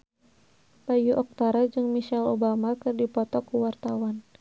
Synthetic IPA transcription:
b̥ajuʔɔk̚t̪aɾad͡ʒɨŋmiʃalobamakɨrdipɔt̪ɔkuwart̪awan

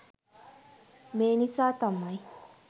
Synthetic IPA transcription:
meːnisaːt̪ɐmːaj

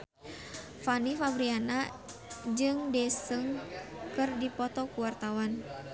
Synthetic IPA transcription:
fanifabɾiana | d͡ʒɨŋdɛsəŋkɨrdipɔt̪ɔkuwart̪awan

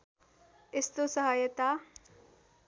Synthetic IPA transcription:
ɪst̪osɐɦaːjɐt̪a

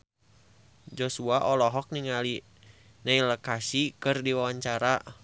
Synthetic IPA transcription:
d͡ʒosuaʔɔlɔɦɔk̚niŋali | nailəkasikɨrdiwawaɲt͡ʃaɾa

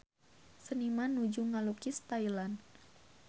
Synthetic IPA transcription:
sənimanud͡ʒuŋalukist̪ajlan

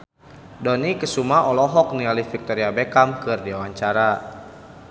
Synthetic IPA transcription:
dɔnikəsumaɔlɔɦɔk̚nialifik̚t̪ɔɾiabekamkɨrdiawaɲt͡ʃaɾa

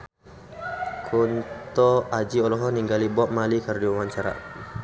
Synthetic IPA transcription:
kʰunt̪ɔad͡ʒiɔlɔɦɔniŋɡalibɔʔ̚malikərdiwamaɲt͡ʃaɾa̰

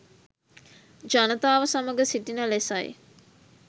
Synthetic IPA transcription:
d͡ʒanət̪aːʋəsaməɡəsiʈinəlesaj

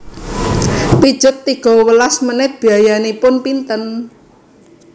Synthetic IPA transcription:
pid̥ʒ̥ʊ̤t̪ːiɡ̥ɔ̤wəlasmənɪt̪̚b̥i̤ajanepʊnpint̪ən

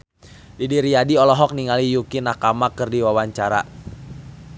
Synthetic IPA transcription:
ʔidiɾiadiɔlɔɦɔk̚niŋalijukinakamakɨrdiwawaɲt͡ʃaɾa̰

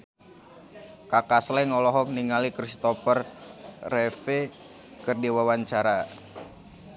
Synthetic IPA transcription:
kakaslɛŋɔlɔɦɔkniŋalikɾist̪ɔfərrɛfe | kərdiwawaɲt͡ʃaɾa

